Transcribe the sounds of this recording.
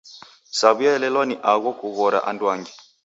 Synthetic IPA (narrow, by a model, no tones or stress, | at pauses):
saβujaɛlɛlwɔniʔaɣwɔkuɣɔɾa̰ʔandwaŋɡi